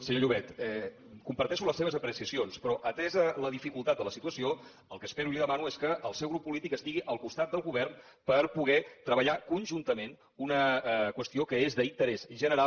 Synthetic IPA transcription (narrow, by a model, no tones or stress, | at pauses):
səɲoʎuβɛt̪ɛ | kumpəɾt̪ɛʃuləseβəzəpɾəsiəsionspɾɔʔət̪ɛzələðifikulˠt̪at̪̚d̪ələsit̪uəsio | əlˠkəspeɾuiliðəmanueskəʔːlˠsɛwɣɾupːulit̪ikəst̪iɣiʔəlˠkust̪at̪̚d̪əlˠɣuβɛrn | pəɾpuɣɛt̪ɾəβəʎakunʒunt̪əmen | unəkwəst̪iokəezðəint̪əɾɛzʒənəɾa